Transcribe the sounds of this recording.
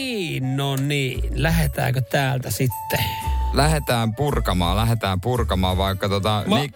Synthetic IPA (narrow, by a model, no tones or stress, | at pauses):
iːnːoːnniːlæhet̪æ̰ːkøt̪æːlt̪æsit̪ːelæhet̪æːmpurkɑmɑːlæhet̪æːmpurkɑmɑːʋʋɑikːɑt̪ot̪ɑi